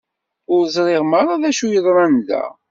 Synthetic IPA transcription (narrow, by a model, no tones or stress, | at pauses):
ʊɾzˤɾˤeʁməɾˤaðæʃujəðˤɾˤɑnd̪æ̰